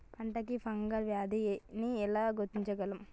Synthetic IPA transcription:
pʰɐɳʈɐkipʰɐŋɡɐlʋjaːd̪iniɛlaːɡuɾt̪iɲt͡ʃɐɡɐlɐm

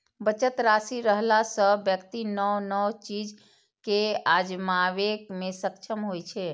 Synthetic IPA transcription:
bət͡ʃət̪ɾasiɾəɦlasəbjəkt̪inəwnɔwt͡ʃid͡ʒ | kead͡ʒmaʋekmesəkt͡ʃʰəmɦojt͡ʃʰe

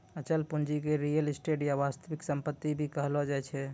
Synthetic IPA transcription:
ət͡ʃəlpund͡ʒikeɾijəlisʈeɖjaʋast̪əʋiksəmpət̪ːibʱikəɦlɔd͡ʒajt͡ʃʰɛ

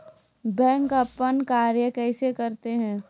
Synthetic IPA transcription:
bɛ̃ːŋkəpːənkaːɾjəkɛːsekɐɾt̪eɦɛ̃ː

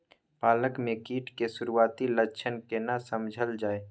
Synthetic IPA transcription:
paːləkmẽkiːʈkesʊɾuaːt̪ilət͡ʃʰənkenasəmd͡ʒʱəld͡ʒaːe

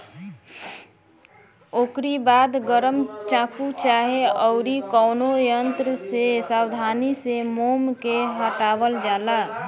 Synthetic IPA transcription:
okɾibaːd̪ɡəɾəmt͡ʃãːkut͡ʃaːɦeʔɔʊɾikɔʊnojənt̪ɾəsesawd̪ʱaːnisemomkeɦəʈaːwəld͡ʒaːla

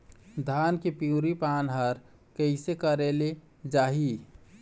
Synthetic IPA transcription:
d̪ʱaːnkepjuɾipaːnɦəɾ | kəɪsekəɾele | d͡ʒaːɦi

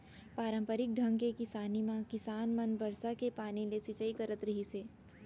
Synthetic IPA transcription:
paːɾə̃mpəɾɪk̚ɖʱɐ̃ŋɡkekɪsaːnimãkɪsaːnmɐnbɐɾsakepaːnilesit͡ʃəikɐɾət̪ɾɐɦiseː

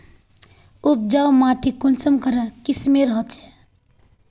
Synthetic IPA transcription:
up̚d͡ʒawmaʈʰikonsəmkəɾakismeɾəɦət͡ʃʰɛ̥

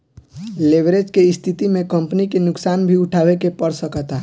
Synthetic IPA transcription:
leʋɾed͡ʒkeɪst̪ʰit̪imẽkə̃mpnikenʊksaːnbʱiʊʈʰaːʋekepəɾsəkət̪a

